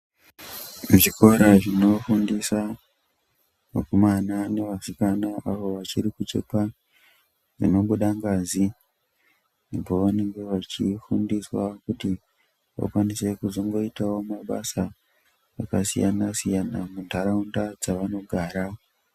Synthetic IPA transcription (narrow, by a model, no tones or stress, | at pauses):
muʐiko̞ɾaʐino̞fundisa | okumanane̞ʋasikanaaʋo̞ʋat͡ʃiɾikut͡ʃḛpa | ʐḭno̞mɡuɗaŋɡazi | poʋane̞ŋɡe̞ʋat͡ʃifundiswakuti | ʋa̰kwanise̞kuzo̞ŋɡo̞itawo̞maɓa̰sa | ʋa̰kasijanasijanamundʱaɾaundad͡zaʋano̞ɡʱaːɾa